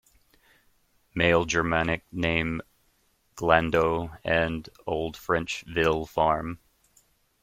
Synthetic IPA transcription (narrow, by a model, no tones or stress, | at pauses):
meɪlˠd͡ʒə˞mænɨk̚nẽɪ̃m | ɡ̥læ̃ndoʊɨ̃noʊlˠd̥fɹɛ̃nt͡ʃvɪlˠfɑɹm